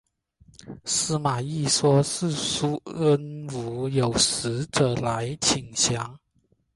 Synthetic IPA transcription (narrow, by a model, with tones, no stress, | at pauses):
sɹ̩˥ma˨˩i˥˩ʂwɔ˥s̩˥˩ʂu˥ə˥nu˧˥˦jo˨˩ʊʂ̩˧˥ʈ͡ʂɤ˨˩la˧˥ɪt͡ɕʰi˨˩ŋɕjɑ˧˥˦ŋ